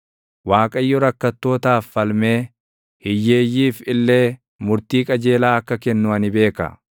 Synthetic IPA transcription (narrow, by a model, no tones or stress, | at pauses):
waːkʼɐjːɔɾɐkːɐt̪ːo̞ːt̪aːfːɐlme̞ː | hɪjːe̞ːjːiːfɪlːe̞ː | mʊɾt̪iːkʼɐd͡ʒe̞ːlaːɐkːɐkɛnːʊɐnɪbe̞ːkɐ̰